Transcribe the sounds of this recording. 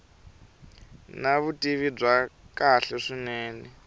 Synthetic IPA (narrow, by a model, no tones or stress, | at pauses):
naβutʼiβib͡ʐwakaɬɛʂinɛːnɛ